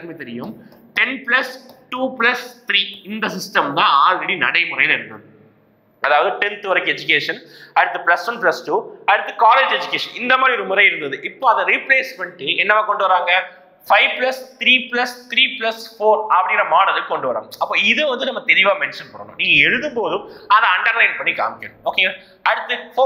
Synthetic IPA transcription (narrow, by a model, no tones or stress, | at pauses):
ɐɾmet̪ɛɾɪjɯm | ʈɛnplɐsʈuːpɪlɐst̪ɪɾiːɪnd̪ɐsɪsʈɐmt̪ãːaːlrɛɽinɐ̰ɽɐɪmʊɾɐjnɛɽɯnːɐ̰ | ɐðaːʋɐðɯʈɛnt̪ɯʋɐɾɐɪkːɛd͡ʒʊk̬eːʂɐnɐɽɯt̪ːɯplɐsʋɐnplɐsʈuːɐɽɯt̪ːɯkaːleːd͡ʒɛd͡ʒɯkeːʂɐnɪnd̪ɐmaːd̪ɾiɔɾɯmʊɾɐɪɪɾɯnd̪ɐðɯʔɪpːoːɐðɐɾipleːsmɐɳʈːɯɛnːɐʋaːkɔɳɖɯʋɐɾaːŋɡɐ | fɐɪʋplɐst̪ɪɾiːplɐst̪ɾiːplɐsfoːɾɐpːɐɽɪŋɡɪɾɐmaːɽɐðɪlkɔɳɖɯʋɐɾo̰ːmɐpːoːɪðɯʋɐnd̪ɯnɐmːɐt̪ɛɾɪʋaːmɛnʂɐnpɐɽːɐnʊ̰̃nĩːŋɡɐɛɻɯðɯmpoːðɯ̃mɐðaɐɳɖɐɾlɐɪnpɐɳːika̰ːmɪkːeɳ̃oːkeːŋɡɐ | ɐɽɯt̪ːɯf